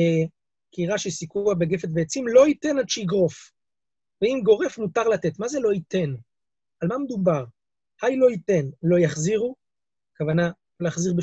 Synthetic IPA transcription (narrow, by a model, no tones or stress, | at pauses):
e | kiʁaʃesikuabeɡe̞fet̪veːt͡simlo̞ite̞nadʃeiɡʁo̞f | veimɡo̞ʁefmutaʁlat̪e̞t̪maze̞lo̞it̪e̞n | almamed̪ubaʁ | hajlo̞ite̞nlo̞jaχziʁu | kavana | loleaχziʁbe